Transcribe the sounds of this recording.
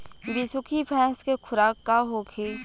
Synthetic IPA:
bisʊkʰipʰɛ̃ːnskekʰʊɾaːkːaɦoːkʰe

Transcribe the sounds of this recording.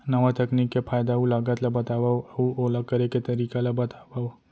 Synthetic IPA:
nɐʋat̪ɐknikːepʰaːjd̪aulaːɡət̪labɐt̪aʋauolakːəɾeket̪ɐɾiːkalabɐt̪aba

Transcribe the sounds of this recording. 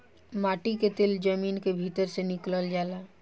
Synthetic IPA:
maːʈiket̪eld͡ʒəmiːnkebʱit̪əɾsenɪkləld͡ʒala

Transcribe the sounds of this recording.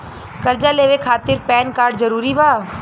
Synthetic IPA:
kɐɾd͡ʒaleːʋekʰaːt̪ɪɾpɛːnkaːɾɖzɐɾuːɾibaː

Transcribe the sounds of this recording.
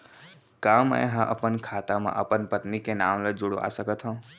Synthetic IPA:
kãːmə̰jɦãʔəpənkʰaːt̪amã̰ʔəpənpət̪nikenaːmləd͡ʒʊɽoa̰ːsəkət̪ɦõː

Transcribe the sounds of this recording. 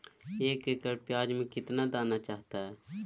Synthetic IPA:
eːkekəɾpjaːd͡ʒmẽkɪt̪nad̪aːnat͡ʃaːɦt̪aɦɛː

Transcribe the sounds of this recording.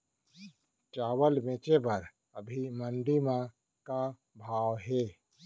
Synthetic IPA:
t͡ʃaːwəlmẽːt͡ʃebəɾ | əbʱimənɖimã | ka | bʱaːwɦɛː

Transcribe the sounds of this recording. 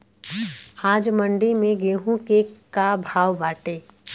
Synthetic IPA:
aːd͡ʒmə̃ɳɖimẽɡeːɦũkekabʱaːʋbaːʈeː

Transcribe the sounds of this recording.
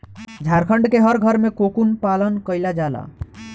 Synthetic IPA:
d͡ʒʱaɾkʰəɳɖkeɦəɾɡʱəɾmekokunpalənkəjlad͡ʒala̰

